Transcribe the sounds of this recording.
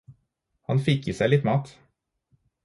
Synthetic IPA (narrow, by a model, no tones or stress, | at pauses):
hɑnfɪkːiːsæɪlɪt̪mɑːt̪